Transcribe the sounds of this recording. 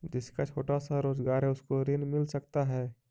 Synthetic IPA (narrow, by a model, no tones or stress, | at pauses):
d͡ʒɪskat͡ʃʰoːʈasaɾoːzɡaːɾɦɛ̃ʊskoɾeːnmɪlsɐkt̪aɦɛː